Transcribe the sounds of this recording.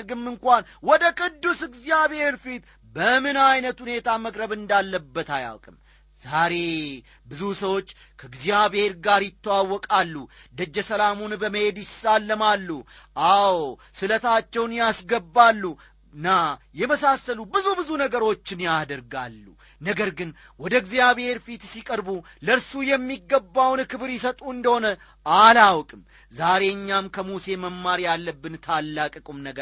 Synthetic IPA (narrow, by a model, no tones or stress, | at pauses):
ɾɡɨmːɨŋkʷanwɔd̪əkʼɨd̪ːusɨɡzjaβhe̞ɾfit̪ | bəmɨnajnət̪hune̞t̪ʰaməkʼɾəβɨnd̪alːəbːət̪aja̰wkʼɨm | z̥aɾe̞ | bɨzusəwo̞t͡ʃː | kʰəɨɡzijabhe̞ɾɡaɾjɪt̪ʰːəwawːɔkʼalːud̪əd͡ʒːɛsəlamunbəməhe̞d̪jɪsalːəmalːu | ʔaw | sɨlət̪ʰat͡ʃːɛwnjasɡəbːalːu | nːajɛməsasːəlubɨzubɨzunəɡəɾo̞t͡ʃːɪnjad̪əɾɡalːu | nəɡəɾɡɨn | wɔd̪əɡzijaβhe̞ɾfit̪sikʼəɾbu | ləɾsujɛmːiɡːəbːawnkɨβɾjɪsət̪ʼuɨnd̪əho̞nə | alawkʼɨm | zaɾe̞ɨɲːamkʰəmuse̞məmːaɾjalːəbːɨnt̪ʰalːakʼəkʼumnəɡə